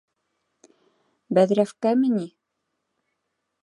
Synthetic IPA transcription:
bæðɾæfkæmɘ̆ni

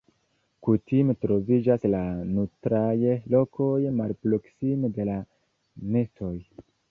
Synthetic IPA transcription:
kutimetɾo̞vid͡ʒaslanutɾajlo̞ko̞jmalpɾo̞ksimede̞la | ne̞sto̞j

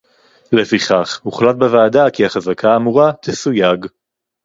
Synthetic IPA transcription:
le̞fiχaχmuχlat̪̚bevaːd̪akiaχazakʰaːmuʁat̪ʰesujaɡ

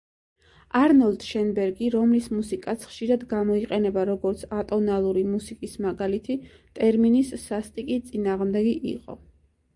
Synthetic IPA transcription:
aɾnɔlˠd̪ʃɛnbɛɾɡiɾɔmlismusikʼat̪sʰχʃiɾad̪ɡamɔiqʼɛnɛbaɾɔɡɔɾt̪sʰat̪ʼɔnalˠuɾimusikʼismaɡalit̪ʰi | t̪ʼɛɾminisːast̪ʼikʼit̪sʼinaːʁmd̪ɛɡiʔḭqʼɔ̰

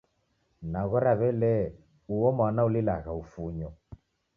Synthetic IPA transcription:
naɣɔɾaβɛlɛ | uwɔmanaulilaɣaufuɲɔ

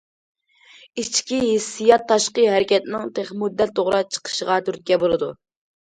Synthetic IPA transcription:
it͡ʃkʲiɦisijɑt̪ʰːɑʃqəɦɛɾɪkʲɛt̪nɪŋt̪ʰeχmud̪ːɛt̪ʰːoʁɾɑt͡ʃʰə̥qʰə̥ʃəʁɑt̪ʰyɾt̪̚kʲɛbolˠɨd̪u

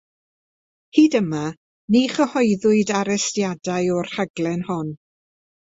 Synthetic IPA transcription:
hiːdəma | niχəhɔjðʊɨdaɾɛstjadajɔr̥haɡlˠɛnhɔn

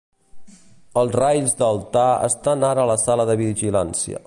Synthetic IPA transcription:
əlˠzrajzd̪əlˠt̪aə̰st̪anaɾəːləsaləðəβiʒilansiə̰

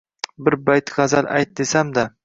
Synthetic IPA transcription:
bɪɾbajt̪ʁɑzala̰jt̪̚d̪esamd̪a

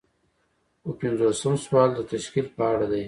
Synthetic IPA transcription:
wəpɪnzosəmswɑld̪ət̪aʃkilpəaɽad̪aj

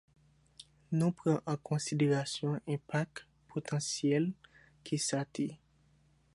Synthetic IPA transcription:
nũpʁɑ̃ʔɑ̃kʰɔ̃sid̪eʁasjɔ̃ʔɛ̃pak̚ | pʰot̪ʰɑ̃sjɛl | kʰisat̪e

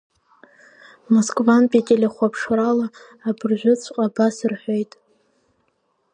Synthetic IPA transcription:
moskʼvanpʼetʲʼelʲeχʷapʰʂralaː | bɨrʒᶣʷʊt͡sʷʰʼqʼabasɨrħʷo̞jtʼ

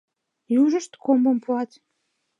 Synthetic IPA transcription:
juʒəʃt̪kombəmpuɑt̪

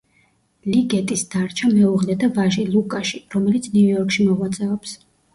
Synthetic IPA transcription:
liɡɛt̪ʼisd̪̥aɾt͡ʃʰamɛuʁlɛd̪avaʒilˠukʼaʃiɾɔmɛlit̪sʰnuujɔɾkʼʃimɔʁwat̪sʼɛɔps

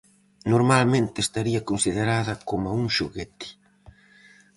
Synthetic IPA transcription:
noɾmalmẽnt̪ɪest̪aɾiɐkonsiðeɾaðɐkomauŋʃuɣet̪ɪ̥

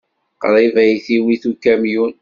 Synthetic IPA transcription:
qɾˤivæjθiwiθukæmjun

